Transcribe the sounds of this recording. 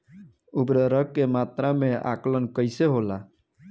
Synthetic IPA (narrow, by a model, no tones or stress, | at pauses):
ubɾəɾəkːemat̪ɾameʔa̰klənkəɪseɦola